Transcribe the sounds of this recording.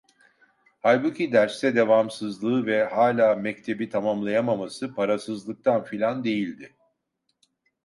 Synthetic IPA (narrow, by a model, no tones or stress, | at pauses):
hajbucʰid̪æɾst̪ɛd̪e̞vamsɯzlˠɯːvɛhaːlʲaːmɛct̪ʰe̞bit̪ʰamamlˠajamamasɯpʰaɾasɯzlˠɯk̚t̪ʰanfilʲand̪e̞jilʲd̪ɪ